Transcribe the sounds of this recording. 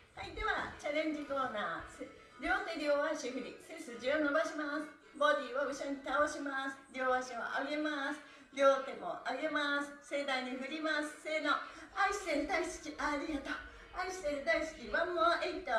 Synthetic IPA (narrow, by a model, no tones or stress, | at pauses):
hait̪ːeβat͡ɕaɾẽ̞ɲ̟d͡ʑikoːnaːse | ɾʲo̞ːt̪eɾʲoːβaɕihɯɾʲisesɨd͡ʑianːobaɕimasɨ̥ | bo̞d̪ʲiβaɯɕoɲit̪aoɕimasɨ̥ɾʲo̞ːβaɕiβa̰ʔaɡe̞masɨ̥ | ɾʲo̞ːt̪e̞moʔaɡe̞masɨ̥sed̪aiɲ̟iɸɯɾʲimasɨ̥senoaiɕi̥seɾɯd̪aisɨ̥kʲiʔaɾʲiat̪o | aiɕi̥seɾɯd̪aisɨ̥kʲiβãmːoaʔeit̪ːa